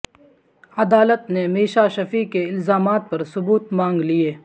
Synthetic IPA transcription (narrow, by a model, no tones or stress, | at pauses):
ɐd̪aːlət̪nemiːʃaʃɐfikeɪlzaːmaːt̪̚pɐɾsʊbuːt̪mãːŋɡlieː